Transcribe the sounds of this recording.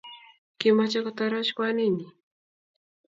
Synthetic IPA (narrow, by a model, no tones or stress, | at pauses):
kimat͡ʃakot̪aɾaʃkwanini